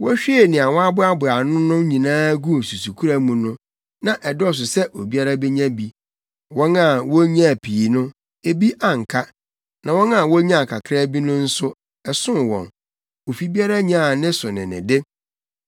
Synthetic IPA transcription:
wɔ˦ɕᶣi˦e˨nɪ̃˨a˨wɔ˦a˦bʊ˦a˦bʊ˨a˨nʊ̃˦nʊ̃˦ɲĩ˨nãː˦ɡu˦˨su˨su˨kʰu˦ɾa˦mũ˨nʊ̃˦ | nã˨ʔɛ˨dɪ˦ɔ˦˨s̬ʊ˨sɛ˦ʔo˨bi˦a˦ɾa˦be˦ɲã˦bi˨ | wɔ̃˦na˨wɔ˦ɲ˦ã˦˨pʰi˨nʊ̃˦ | e˨bi˦ʔa˨ŋ̩˨kʰa˦ | nã˨wɔ̃˦na˨wɔ˦ɲã˦a˨kʰa˨kʰɾa˦bi˦nʊ̃˦n̩˦sʊ˦ | ɛ˨sʊ̃˦wɔ̰̃˨n | o˨fi˦bi˦a˦ɾa˦ɲã˦˨nɪ̃˦sʊ˨nɪ̃˨nɪ̰̃˨dɪ˦

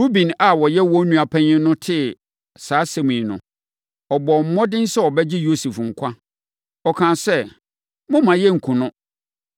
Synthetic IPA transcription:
ɾu˦bĩ˨na˨wɔ˨jɛ˦wɔ̃˦nũ˨a˨pʰɛ̃˦ɲɪ̃˦nʊ̃˦tʰɪ˦ | saː˨˦sɛ̃˨mĩ˨nʊ̰̃˨ | ɔ˨bɔ˨m̩˦mɔ̃˦dɪ̃˦n̩˦sɛ˦wɔ˨bɛ˦d͡ʑɪ˦jo˦su˨fŋ̩˨kʷʰa˦ | ɔ˨kʰãː˨sɛ˦ | mʊ̃˦mã˨jɛ˦ŋ̩˨kʰũ˨nʊ̃˦

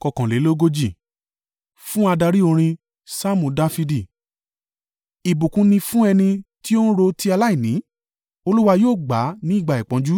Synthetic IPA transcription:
kɔ˨kã˨le˨˦lo˦ɡo˦d͡ʒi˦˨ | fũ˦a˧da˧ɾi˦o˧ɾ̃ĩ˧ | sa˦mũ˧da˦fi˧di˦˨ | i˨bu˨kũ˧nĩ˧fũ˦ɛ˧nĩ˧ti˦o˦n̩˦ɾo˧ti˧˦a˧la˦i˦˨nĩ˨˦ | o˧lu˦wa˧joː˦˨ɡ͡ba˨˦nĩ˦i˦˨ɡ͡ba˨i˨k͡pã˨˦d͡ʒu˦

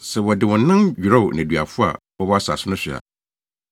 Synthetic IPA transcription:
sɛ˨wɔ˨dɪ˨wɔ̃˨nːã˦nɥᶣi˨ɾɔ˦ʊ˨nɛ̃˨dɥa̰˨fʊ˦a̰˨ | wɔ˦bɔ˦a˦sa̰˨sʊ˦nʊ̃˦ɕɪ˨a̰˨

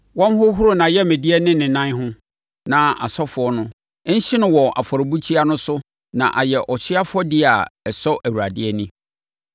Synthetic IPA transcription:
wɔ̃˦m˦hʊ˦ɦʊ˦ɾo˦nã˨jɛ˦mɛ̃˨di˦ɛ˦nɪ̃˦nɪ̃˨nã˦nɦʊ̃˦ | nã˨a̰˨sɔ˦fʊ˨˦ɔ˦nʊ̃˦ | ɲ̩˦ɕɪ˦nʊ̃˦wɔ˨ʔa̰˨fɔ˨ɾbu˦t͡ɕʰi˦a˦nʊ̃˦sʊ˦ | nã̰˨ʔa̰˨jɛ˨ʔɔ˨t͡ɕʰɪ˦a˦fʊ˦ɔ˦dɪ˦a˨ɛ˨sɔ˦ʔæ˨wu˨ɾa˨dɪ˦ɛ˦nĩ˦

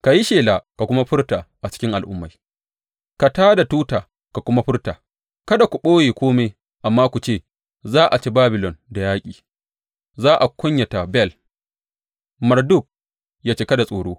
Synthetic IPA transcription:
ka˨ji˦ʃeː˨la˨ka˨kʷʊ˦ma˦ɸʊ˦rta˨ʔa˨t͡ʃɪ̥˦kʲɪ˦ŋʔa˨lʔʊ˦mːa˨j | ka˨taː˦da˨tuː˦taː˨ | ka˨kʷʊ˦ma˦ɸɪ˦rtaː˨ | kɐ˦da˨kʷu˨ɓoː˦jeː˨kʷoː˦me˦ | ʔa˨mːaː˦kʷu˨t͡ʃeː˦˨ | zaː˦ʔa˨t͡ʃe˦baː˦bɪ˨lɔ˨nda˨jaː˦kʲʼiː˨ | zaː˦ʔa˨kʷʊ˦ɲja˨ta˨bɛ˦˨l | mɐ˨rdʊ˦k̚ | jaː˦t͡ʃeː˦kɐ˦da˨sʼoː˨ɽoː˦

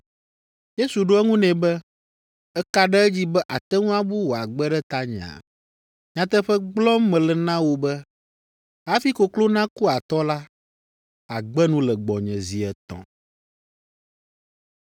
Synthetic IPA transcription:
je˦su˨ɖo˦ɛ˦ŋũ˦nɛ̃˨bɛ˦ | ɛ˦ka˦ɖɛ˦ɛ˦d͡ʑi˦bɛ˦ʔa˨t̪ɛ˦ŋũ˦a˦bu˦wo˨a˨ɡ͡bɛ˦ɖɛ˦t̪a˦ɲɛ̃˨a̰˨ | ɲã˨t̪ɛ˦ɸɛ˦ɡ͡blɔ˦mɛ̃˨lɛ˨nã˦wo˨bɛ˦ | a˦fi˦ko˨klo˦nã˦ku˦a˨t̪ɔ˦la˦ | a˨ɡ͡bɛ˦nũ˦lɛ˨ɡ͡bɔ˨ɲɛ̰̃˨zi˨ɛ˨t̪ɔ̰̃˨

